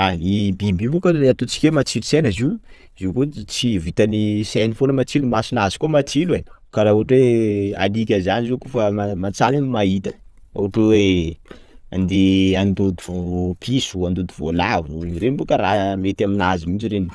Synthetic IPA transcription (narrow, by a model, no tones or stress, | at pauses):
aibimbibukəeat̪ot͡si̥kʲemat͡silisenəziw | ziwkut͡sivit̪anisanifonəmat͡silumasinazi̥kumat͡silue | kaɾauaʈ͡ʂwea̰likʲəzanizekofamamat͡salinimait̪ə | oaʈ͡ʂuwe | and̪eand̪od̪ivopʰisuand̪od̪ivo̰lavinɾenbukəɾamet̪aminazimint͡ʃiɾeni